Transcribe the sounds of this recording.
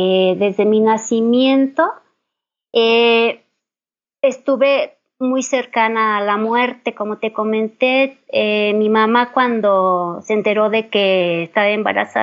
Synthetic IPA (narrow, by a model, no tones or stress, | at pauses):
eðe̞zðe̞minasimje̞nt̪o̞ | e | est̪uβe̞ | mujse̞ɾkanaːlamwe̞ɾt̪e̞ko̞mo̞t̪e̞ko̞mẽ̞nt̪eemimamakwand̪o̞sent̪e̞ɾo̞ðe̞keːst̪aβaemba̰ɾa̰sa̰